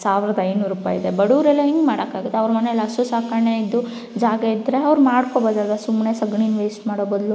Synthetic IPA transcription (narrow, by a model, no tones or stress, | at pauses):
saːʋiɾɐd̪ɐɐjnuːɾuːpa̰ːjid̪ebɐɽuɾelːɐɦiŋɡmaːɽɐkaːɡit̪ːeɐʋɾɐmɐnelːɐsusaːkaːɾneid̪ːu | d͡ʒaːɡɐid̪ɾeɐʋɾmaːɽkoboːd̪aːd̪ɐsumnesɐɡɳiːnʋeːsʈmaːɽobod̪lu